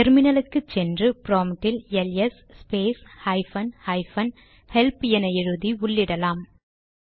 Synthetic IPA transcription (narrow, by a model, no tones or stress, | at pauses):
t̪ɛɾmɪnɐlɯkːɯt͡ʃːɛndrɯpɾoːmʈːɪlɛljɐs | speːshɐɪfɐnhɐɪfɐn | hɛlpjɛnɐjɪɻɯðiʊɭːɪɽɐlaːm